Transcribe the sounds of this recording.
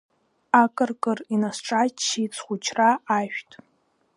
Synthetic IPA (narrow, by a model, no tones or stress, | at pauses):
akʼɨrkʼɨrinasʈ͡ʂʼat͡ʃʰːit͡sʰχʷut͡ʃʰraːʃᶣtʼ